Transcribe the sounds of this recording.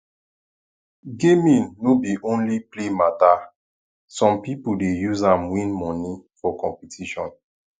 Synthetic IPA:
ɡemĩnːobiʔõnliplemata | sɔ̃mpipudejuzãmwĩnmɔ̃nifɔkɔ̃mpitʰiʃɔ̃n

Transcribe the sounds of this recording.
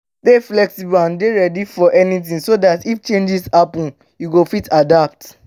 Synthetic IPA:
deflɛksiblãndeɹɛdifɔʔɛnitĩnsodatift͡ʃẽnd͡ʒishapɔ̃n | juɡofitʰadap̚t

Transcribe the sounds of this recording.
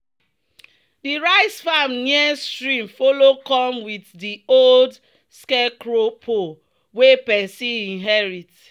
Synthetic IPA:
diɹaɪsfamniɛstɹĩmfolokɔ̃mwiddiold | skekɹopʰo | wepɛsiĩnɦɛɹit

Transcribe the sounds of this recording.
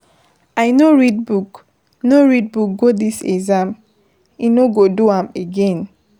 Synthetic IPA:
ajnoɹid̚buk | noɹid̚buk̚ɡodisɛ̰ɡzãm | inoɡoduãmeɡẽn

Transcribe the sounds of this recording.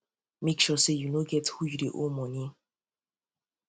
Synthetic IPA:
mekʃɔsejunoɡɛthujudeʔomɔ̃nĩ

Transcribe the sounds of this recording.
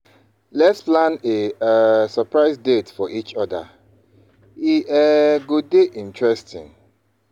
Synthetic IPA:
lɛtsplãnesəpɹaɪsdetfɔʔit͡ʃɔda̰ | iɛɡodeʔĩntɹɛstʰḭ̃n

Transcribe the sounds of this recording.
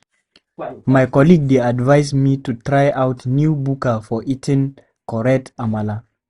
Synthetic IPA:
majkɔliɡ̚deadvajzmitutɹajʔawtnjubukafɔʔitʰĩn | kɔɹɛtamala

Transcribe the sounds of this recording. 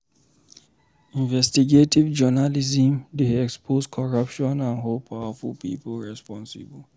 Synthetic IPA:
ĩnvɛstiɡetivd͡ʒɔnalizĩmdeɛkspʰoskʰɔɹapʃɔ̃nãnɦolpʰawəfulpḭːplɹɛspɔ̃nsɪ̰bl

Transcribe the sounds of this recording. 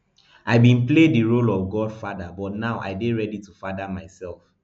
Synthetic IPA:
ʔaɪbĩnplediɹolɔvɡɔdfadabɔtnaʊʔa̰ɪbeɹɛditufadamaɪsɛlˠf

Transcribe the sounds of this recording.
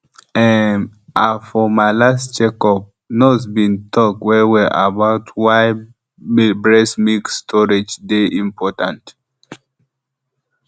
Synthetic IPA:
ɛ̃nʔafɔmaɪlastd͡ʒɛkɔb̚ | nosbĩntʰɔk̚twɛwɛʔa̰baʊtʰwaɪ | bɹɛsmikstʰɔɹed͡ʒdeʔĩmpʰɔtã̰nt

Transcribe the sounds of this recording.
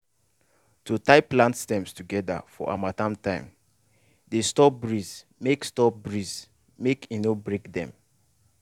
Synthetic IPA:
tutaɪplãntstɛ̃mstuɡɛda̰fɔ̰ʔa̰matãmtãɪ̃m | destɔbɹiz | mekstɔp̚bɹiz | mekinobɹekdɛ̰̃m

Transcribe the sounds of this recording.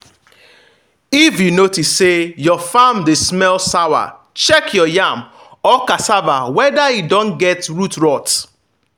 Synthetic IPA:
ifjunotisːejɔfamdesmɛlsawa̰ | t͡ʃɛkʰjɔjam | ɔkasava̰wɛdajidɔ̃nɡɛtɹutɹɔt

